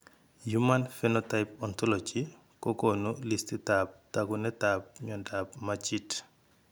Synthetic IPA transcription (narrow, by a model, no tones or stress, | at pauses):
jumanfɛnotajpɔntɔlɔd͡ʒi | kɔkɔnulistitap̚taɡunɛtap̚ɲɔndapmat͡ʃit